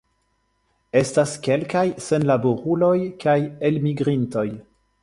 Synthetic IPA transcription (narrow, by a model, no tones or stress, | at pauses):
e̞staske̞lkajse̞nlabo̞ɾulo̞jkaje̞lmiɡɾinto̞j